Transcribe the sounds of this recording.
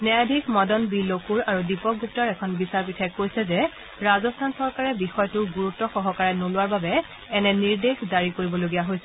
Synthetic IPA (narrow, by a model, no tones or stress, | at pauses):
nɛadʱikmɔdɔnbilokuɹaɹudipɔk̚ɡup̚taɹɛkʰɔnbisaɹpitʰɛkːojsɛzɛ | ɹazɔstʰansɔɹkaɹɛbixɔjtʊɡuɹutːɔxɔɦɔkaɹɛnolʊaɹbabɛ | ɛnɛniɹdexzaɹikoɹibɔloɡijaɦojsɛ